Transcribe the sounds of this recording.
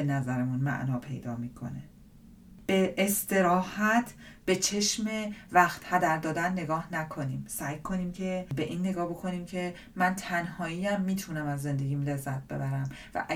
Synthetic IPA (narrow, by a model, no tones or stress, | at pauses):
enæzæɾemunmæ̰ʔnɒːpʰe̞̰jd̪ɒːmiːkʰo̞̰ne | b̥e̞ʔːst̪e̞ɾɒːhæt̪ʰ | b̥e̞t͡ʃʰe̞ʃme̞væxt̪hæd̪æɾd̪ɒːd̪ænːe̞ɡɒːhnækʰo̞niːmsæjkʰo̞niːmcʰe̞be̞ʔiːnːe̞ɡɒːhbo̞kʰo̞niːmcʰe̞ | mænt̪ʰænhɒːiːæmːiːt̪ʰunæmæzːe̞nd̪e̞ɟiːmle̞zːæt̪̚b̥e̞̰bæɾæm | væ̰ʔæ